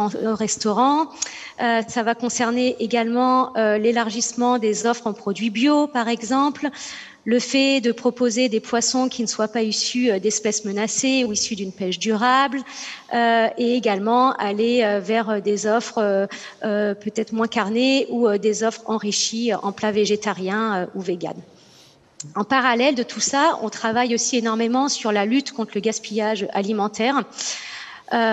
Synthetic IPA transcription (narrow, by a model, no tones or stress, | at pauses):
ɑ̃ʁɛst̪ɔʁɑ̃ | øsavakɔ̃sɛʁneʔeɡalmɑ̃ølelaʁʒismɑ̃d̪ezɔfχɑ̃pχɔd̪ɥibjopaʁɛɡzɑ̃pl | ləfɛd̪əpχɔpozed̪epwasɔ̃kʲinəswapaisyød̪ɛspɛsmənaseuisyd̪ynpɛʃd̪yʁabløeːɡalmɑ̃ʔaleøvɛʁød̪ezɔfχøøpøt̪ɛt̪χmwɛ̃kaʁneuød̪ezɔfχɑ̃ʁiʃiøʔɑ̃plaveʒet̪aʁjɛ̃øuveɡa̰n | ɑ̃paʁalɛld̪ət̪ʰusaɔ̰̃t̪χavajosienɔʁmemɑ̃syʁlalyt̪kɔ̃t̪χləɡaspijaʒøʔalimɑ̃t̪ɛːʁ | ø